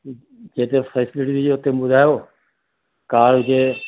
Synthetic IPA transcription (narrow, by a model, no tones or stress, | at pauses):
d͡ʒeːt̪eːfɛːsɪlɪʈidid͡ʒoːt̪eːbʊd̪ʱaːjoː | kaːɾɦʊd͡ʒeː